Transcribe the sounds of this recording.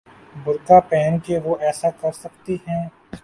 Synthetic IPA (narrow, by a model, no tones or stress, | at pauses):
bʱʊɾkapɛːnkeʋoʔɛːsakɐɾsɐkt̪iɦɛ̃ː